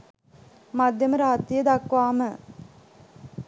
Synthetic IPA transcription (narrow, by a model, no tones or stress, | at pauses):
mad̪jɐməɾaːt̪ːijəd̪akʋaːmə